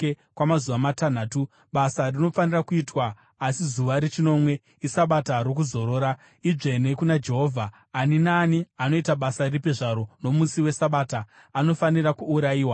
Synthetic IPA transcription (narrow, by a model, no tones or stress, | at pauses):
kwamazuʋamatan̤aːtu | ɓasarino̞fanirakuitwaː | sizuʋaɾet͡ʃino̞mwe̞ | isaɓataɾo̞k̬uzo̞ɾo̞ːɾa | iʐe̞ne̞kunad͡ʒe̞ɦo̞ːvʱaː | ninaːniano̞itaɓasairipeʐaɾo̞no̞musiwe̞saɓaːtaː | no̞fanirakuːɾajiːwa